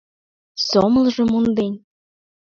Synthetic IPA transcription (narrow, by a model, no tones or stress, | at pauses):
soməlʒɤ̆mund̪enʲ